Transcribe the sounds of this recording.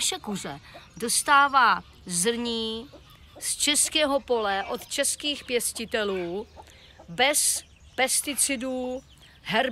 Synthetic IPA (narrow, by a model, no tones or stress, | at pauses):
ʃɛkuzɛ̰dost̪aːvaː | zr̩ɲiː | st͡ʃɛskɛːɦo̞po̞lɛʔo̞t̪t͡ʃɛskiːxpjɛscɪt̪ɛluː | bɛs | pɛst̪ɪt͡sɪduː | ɦɛɾ